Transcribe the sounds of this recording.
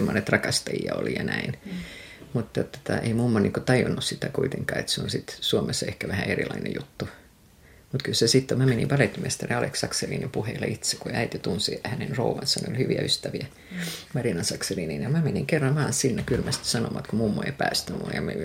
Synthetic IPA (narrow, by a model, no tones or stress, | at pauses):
emːonet̪rɑkɑst̪ɑjḭjɑ̰o̰lḭjɑnæin | mut̪ːɑt̪ːo̥t̪ɑʔeimumːoniŋkot̪ɑjunːussit̪ækuit̪eŋkɑ̰ːḛt̪seonsit̪suomesːɑehkæʋæhæerḭlɑinḛjut̪ːu | mut̪kylsesit̪ːomæmenḭʋɑlek̪mest̪ɑreɑleksɑkserḭːnimpuheilːɑit̪sekuæit̪it̪unsihænenrouʋɑnsɑnḛo̰lʲhyʋiæ̰yst̪æʋiæ | mɑrinɑnsɑkseriːninjɑmæmeniŋkerːɑmmɑːnssinːekylmæst̪isɑno̰ʋɑt̪kumuːmːoḛipæːst̪æmṵjɑmḛ